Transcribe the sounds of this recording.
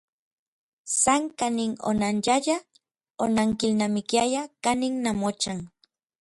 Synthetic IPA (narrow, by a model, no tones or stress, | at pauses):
saŋkanɪŋo̰nanʎaʎa | onaŋkɪlnamɪkjajakanɪŋnamot͡ʃaŋ